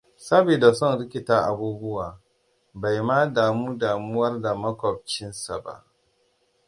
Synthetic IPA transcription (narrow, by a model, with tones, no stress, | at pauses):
sɐ˦beː˨da˨sɔ˦nɽɪ˦kʲɪ˨taː˦ʔa˨buː˦bʊ˦waː˨ | ba˨jmaː˦daː˨muː˦daː˨mʊ˦wɐ˦rda˨mɐ˦kʷɔ˨b̚t͡ʃɪ˦nsa˨ba̰˦ʔ